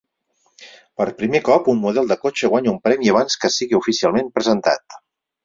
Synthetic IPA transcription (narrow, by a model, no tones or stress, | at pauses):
pəɾpɾimekɔpunmuðɛlˠd̪əkot͡ʃəɣ̞waɲəumpɾɛmiəβ̞anskəsiɣiufisialˠmempɾəzənt̪a̰t̪